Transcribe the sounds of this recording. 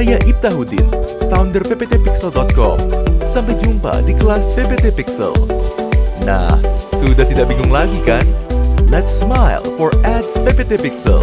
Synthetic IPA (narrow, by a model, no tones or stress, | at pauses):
ajaʔip̚t̪aɦud̪ɪ̰nfawndərpepet̪epiksəldɔt̪̚kɔ̰msampajd͡ʒumpa̰dikəlaspepet̪epiksə̰l | na̰hsudaht̪idaʔbiŋʊŋlaɡikanlɛt̪smajlfɔrɛtspepet̪epiksə̰l